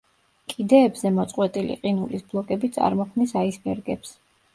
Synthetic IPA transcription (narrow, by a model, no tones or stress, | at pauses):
kʼid̪ɛːbzɛmɔt̪sʼqʼwɛt̪ʼilḭqʼinulisblˠɔkʼɛbit̪sʼa̰ɾmɔkʰmnisaisbɛɾɡɛps